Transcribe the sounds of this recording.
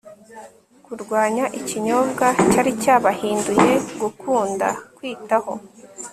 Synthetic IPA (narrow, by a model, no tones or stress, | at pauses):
kuɾɡwaːɲaʔiciɲo̞ːbɡacaɾicaːβahiːnduje̞ɡukʰuːnda̰kwiːtaho̞